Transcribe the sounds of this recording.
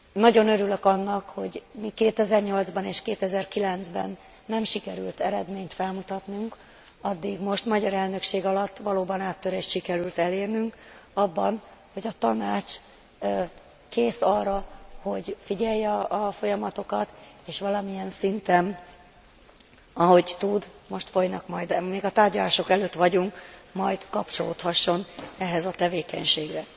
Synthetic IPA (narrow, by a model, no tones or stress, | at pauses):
nɒɟo̞nø̞ɾyløkɒnːɒkho̞ɟmikeːt̪ɛzɛrɲo̞ld̪zbɒneːʃkeːt̪ɛzɛrkilɛnzbɛ̰nː | ɛmʃikɛɾy̰lt̪ɛɾɛd̪meːɲt̪fɛlmut̪ɒt̪nuŋk | ɒd̪ːiɡmo̞ʃt̪mɒɟɒɾɛlnø̞kʃeːɡɒlɒt̪ːʋɒloːbɒnaːt̪ːøɾeːʃʃikɛɾylt̪ɛleːrnyŋkɒbːɒn | ho̞ɟɒt̪ɒnaːt͡ʃ | keːsɒrːɒho̞ɟfiɟɛjːɛɒʔɒfo̞jɒmɒt̪o̞kɒt̪eːʃʋɒlɒmijɛnsint̪ɛn | ɒɦo̞ɟt̪ud̪mo̞ʃt̪fo̞jnɒkmɒjd̪meːɡɒt̪aːrɟɒlaːʃo̞kɛløːt̪ʋɒɟuŋkmɒjd̪kɒpt͡ʃo̞lo̰ːt̪hɒʃːo̞nɛɦɛzɒt̪ɛveːkɛ̰ɲʃeːɡrɛ